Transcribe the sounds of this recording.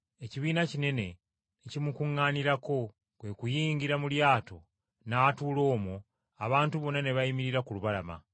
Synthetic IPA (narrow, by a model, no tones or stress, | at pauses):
e̞ciβiːnacine̞ne̞ | necimukuŋːaːniɾako̞ | kwe̞kujiːɲɟiɾamuljaːto̞̰ | natuːlo̞ːmo | aβaːntuβo̞nːane̞βaimiɾiɾakuluβalama̰